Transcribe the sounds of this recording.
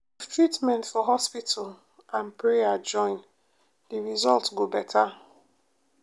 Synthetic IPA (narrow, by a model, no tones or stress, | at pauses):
ivtʰɹitmɛ̃ntfɔɦɔspitʰal̩ | ãnpɹejad͡ʒɔ̃ɪ̃n | diɹizɔltɡobɛtʰa